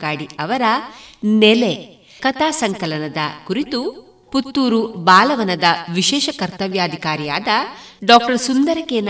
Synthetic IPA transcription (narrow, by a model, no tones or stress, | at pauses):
aːɽiɐʋɐɾɐnele | kɐt̪aːsɐŋkɐlɐnɐd̪ɐ̰kuɾit̪u | put̪ːuːɾubaːlɐʋɐnɐd̪ɐʋiʃɛːʃɐkɐɾt̪ɐʋjaːd̪ʱikaːɾijaːd̪ɐɖaːk̚ʈɐɾsund̪ɐɾɐkeːn